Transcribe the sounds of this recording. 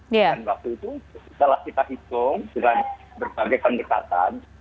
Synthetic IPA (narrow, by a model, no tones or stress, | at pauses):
janwak̚t̪uit̪usəlahkit̪aɦit̪ʊŋdəŋan | bərbaɡajpəndəka̰t̪a̰n